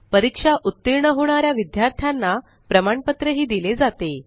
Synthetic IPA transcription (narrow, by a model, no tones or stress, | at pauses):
pəɾikʂaʔut̪ːiɾɳəɦoɽ̃aɾjaʋid̪jaɾt̪ʰjanːa | pɾəmaɳpət̪ɾəɦiːd̪iled͡zat̪e